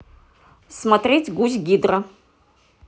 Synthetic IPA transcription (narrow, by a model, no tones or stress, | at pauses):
smɐtrʲetʲɡuzɡʲid̪rɐ